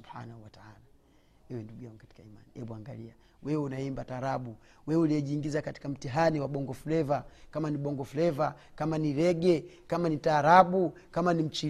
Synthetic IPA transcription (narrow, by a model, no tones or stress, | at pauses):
uħa̰nahuwataa̰la | ɛwɛnduɡujaŋɡkati̥kaima̰nihɛɓuaŋɡalia | wɛwunaimbataːɾaɓu | wɛɛuliɛʄiːŋɡizakati̥kam̩tiɦaniwaɓɔŋɡɔfulɛvakamaniɓɔŋɡɔfulɛva | kamaniɾɛɡɛ | kamanitaːɾaɓu | kamanim̩t͡ʃi